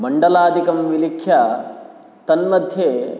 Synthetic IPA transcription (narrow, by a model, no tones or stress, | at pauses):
mɐɳɖɐlaːd̪ʱikɐmʋilikʰːjɐ | t̪ɐnmɐd̪ʱjeː